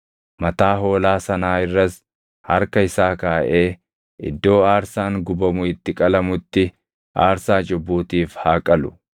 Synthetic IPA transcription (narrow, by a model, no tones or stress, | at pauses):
mɐt̪aːɦo̞ːlaːsɐnaːɪrːɐs | hɐ̰ɾkɐɪsaːkaːʔe̞ː | ʔɪ̰d̪ːo̞ːaːɾsaːŋɡʊbɐmʊɪt̪ːɪkʼɐlɐmʊt̪ːɪ | ʔaːɾsaːd͡ʒʊbːuːt̪iːfhaːkʼɐlʊ̥